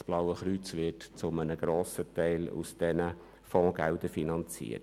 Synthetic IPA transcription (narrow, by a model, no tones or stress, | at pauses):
sb̥lawəχɾyt͡sʋɪtt͡sʊmənəɡ̥ɾoːsətɛɪlṵsd̥ɛnə | fɔ̃ːɡ̥ɛldəfinɑnt͡sḭːət